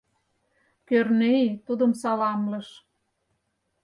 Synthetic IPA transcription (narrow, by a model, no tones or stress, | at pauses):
kørnejit̪ud̪ə̆msɑlɑmlɤ̆ʃ